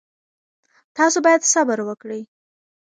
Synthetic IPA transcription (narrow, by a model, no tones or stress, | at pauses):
t̪ɑsobɑjad̪sabəɾwəkɽəj